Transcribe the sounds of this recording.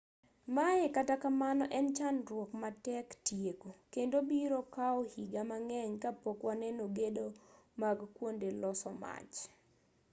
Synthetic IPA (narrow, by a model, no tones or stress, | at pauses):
majɛkatakamanɔʔɛnt͡ʃanɾwɔkmatɛktjekokendobiɾokaɔhiɡamaŋɛɲkapokwanɛnoɡedomaɡkwondelɔsɔma̰t͡ʃ